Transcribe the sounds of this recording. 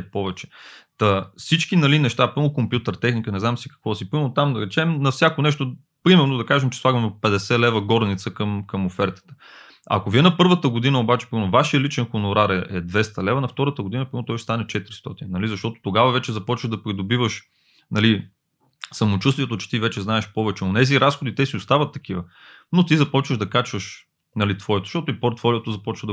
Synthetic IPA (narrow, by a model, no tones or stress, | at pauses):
pɔvɛt͡ʃɛ̥t̪ɐfsit͡ʃk̟inɐlinɛʃt̪apɾimnokompjut̪əɾt̪ɛxnikənɛznamsikɐ̥kvɔsipɾimɛɾnot̪amd̪ɐɾɛt͡ʃɛmnɐfsʲjakonɛʃt̪o | pɾimɛɾnod̪ɐkaʒɛmt͡ʃɛ̥slˠaɡɐmopɛd̪ɛsɛlɛvəɡɔɾnit̪səkɐmkɐmofɛɾt̪ə̥t̪ə̥ | ɐ̰koviɛnɐpɤɾvət̪əɡod̪inəobat͡ʃɛ̥pɾimɛɾnovaʃijəlit͡ʃɛnxonʊɾaɾɛɛd̪vɛst̪ɐlɛvɐnɐft̪ɔɾət̪əɡod̪inəpɾinot̪ɔjst̪anɛt͡ʃɛt̪iɾist̪ɔt̪innɐlizɐʃt̪ɔt̪o̥t̪oɡavɐvɛt͡ʃɛzɐpɔt͡ʃvəʒd̪ɐpɾid̪obivəʃ | nɐli | sɐmot͡ʃust̪vijɛt̪ot͡ʃɛ̥t̪ivɛt͡ʃɛznaɛʃpɔvɛt͡ʃɛonɛziɾasxod̪it̪ɛsiʊst̪avət̪ːɐk̟ivə | not̪izɐpɔt͡ʃvəʒd̪ɐkat͡ʃvəʃ | nɐlit̪vɔɛt̪o̥ʃt̪ɔt̪ʊipoɾt̪fɔliot̪ozɐpɔt͡ʃvəd̪ə